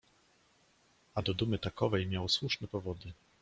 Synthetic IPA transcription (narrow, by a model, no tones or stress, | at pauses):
ad̪ɔd̪umɘt̪akɔvɛjmʲjawswuʂnɛpɔvɔd̪ɘ